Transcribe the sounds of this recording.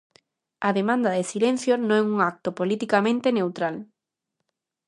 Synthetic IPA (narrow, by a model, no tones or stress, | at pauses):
aðemãnd̪aðesilẽn̟θjonõŋɛuŋak̚t̪opolit̪ikamẽnt̪enewt̪ɾal